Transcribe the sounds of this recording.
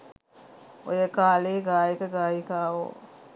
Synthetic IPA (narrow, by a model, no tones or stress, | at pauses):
o̰jekaːleːɡaːjikɐɡaːjikaːwo̰